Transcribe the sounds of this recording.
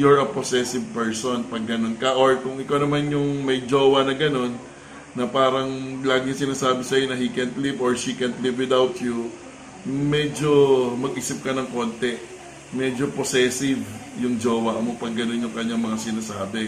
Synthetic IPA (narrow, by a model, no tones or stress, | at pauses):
joɹɐposɛsɪv̚pɛɹsonpɐɡ̚ːɐno̞nkɐʔoɹkʊŋʔɪkawnɐmanjʊŋmɐjd͡ʒoːwɐnɐɡɐno̞nː | ɐpaːɾɐŋlaːɡɪɲɐsɪnaːsaːbɪsɐjonɐhikɛnt̪livoɹʃikɛnt̪livwɪd̪awt̪ju | mɛd͡ʒo̞mɐɡ̚ʔiːsɪp̚kɐnɐŋko̞nt̪ɛ | mɛd͡ʒoposɛsɪvjʊŋd͡ʒoːwaʔmopɐɡːɐno̞njʊŋkɐɲːaŋmɐŋasɪnaːsaːbɛ